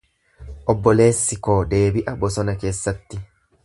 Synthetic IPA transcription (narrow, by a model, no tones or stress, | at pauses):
ʔɔbːɔle̞ːsːɪkoːd̪e̞ːbɪʔɐbɔsɔnɐke̞ːsːɐt̪ːɪ